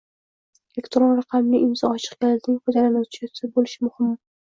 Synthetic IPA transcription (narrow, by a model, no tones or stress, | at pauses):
elekʲt̪ɾonɾɑqʰɑmnɪʔɪmzɒɒt͡ʃʰɨ̥qkʲalɪzʲnɪŋʲfɒd͡ʒalanat͡ʃʰasɪbolɪʃmʊhɪmː